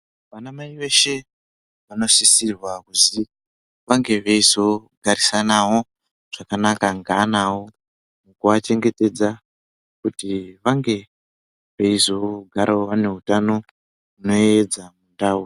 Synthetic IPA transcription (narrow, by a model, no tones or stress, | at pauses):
ʋanamaiʋe̞ʃe̞ | ʋano̞sisirwakuzi | ʋaŋɡe̞ʋeizo̞ɡʱaɾisanawo | ʐ̥akanakaŋɡaːnawo | mukuʋat͡ʃe̞ŋɡe̞te̞d͡za | kutiʋaŋɡe̞ | ʋe̞izo̞ɡʱaɾʔaoʋane̞ɦutano̞ | uno̞ed͡zamundaːu